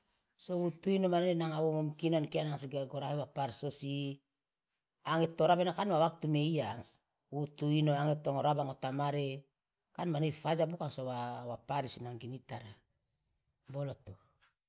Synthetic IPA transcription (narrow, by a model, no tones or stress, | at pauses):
soβutuinomanenaŋawomomkinonkeanaŋsiɡeɾɡoɾahewapaɾsosi | aŋetoɾabenakanwawak̚tumeiaŋ | utuinoaŋetoŋoɾabaŋotamaɾe | kanmanejfad͡ʒabukaŋsowawapaɾisinaŋɡinitaɾa | boloto